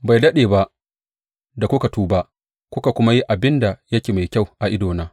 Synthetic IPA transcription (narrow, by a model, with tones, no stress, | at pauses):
ba˨jdɐ˦ɗeː˨ba˦ʔ | da˨kʷʊ˦ka˨tuː˦ba˦ʔ | kʷʊ˦ka˨kʷʊ˦ma˦ji˦ʔa˨bɪ˦nda˨jɐ˦kʲeː˨ma˨jkʲa˦˨wʔa˨ʔɪ˦doː˨naː˦